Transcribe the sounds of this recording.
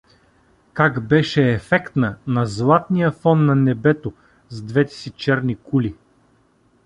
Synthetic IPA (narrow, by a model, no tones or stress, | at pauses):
kaɡbɛʃɛːfɛkt̪nənɐzlˠat̪nijəfɔnːɐnɛbɛt̪o | zd̪vɛt̪ɛ̥sit͡ʃɛɾnikuli